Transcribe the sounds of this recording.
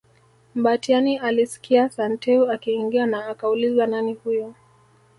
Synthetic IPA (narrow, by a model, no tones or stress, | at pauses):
m̩batianiʔalisi̥kiasantɛuakiːŋɡianaːkaulizwananihujɔ